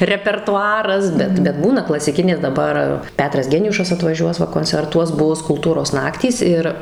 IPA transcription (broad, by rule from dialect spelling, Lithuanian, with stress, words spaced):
rʲɛpʲɛrtʊˈɑːrɐs ˈbʲɛt bʲɛt ˈbuːnɐ klˠɐsʲɪˈkʲɪnʲeː dɐˈbɐr ˈpʲæːtrɐs ˈɡʲæːnʲʊʃɐs ɐtʋɐˈʒʲuɔs ˈʋɐ koːnʲt͡sʲɛrˈtuɔs ˈbʊs kʊlˠˈtuːroːs ˈnɑːktʲiːs ˈɪr